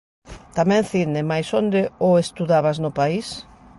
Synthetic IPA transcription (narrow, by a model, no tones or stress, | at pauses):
t̪amɛ̃ŋθinɪmajsond̪ɪoest̪uðaβaznʊpais